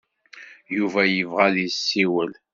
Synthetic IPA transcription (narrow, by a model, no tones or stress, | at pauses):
juvæjəvʁæðisːiwəl